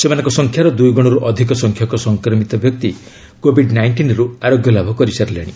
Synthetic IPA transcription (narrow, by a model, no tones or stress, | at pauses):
semanɔ̃ŋkɔsɔŋkʰjaɾɔd̪ujɡɔɽ̃ɔɾuʔɔd̪ʱikɔsɔŋkʰjɔkɔsɔŋkɾɔmit̪ɔbjɔk̚t̪i | kobʱiɖnajɳʈinɾuaɾoɡjɔlabʱɔkɔɾisaɾleɽ̃i